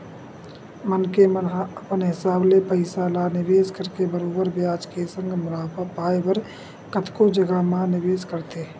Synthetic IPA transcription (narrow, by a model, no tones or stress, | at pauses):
mənkemənɦəpənɦɪsaːblepəɪsalanɪʋeːskəɾkebəɾoːbəɾbjaːd͡ʒkesə̃ŋɡmʊlaːpapaːeʋəɾ | kət̪kod͡ʒəɡamãnɪʋeːskəɾt̪eː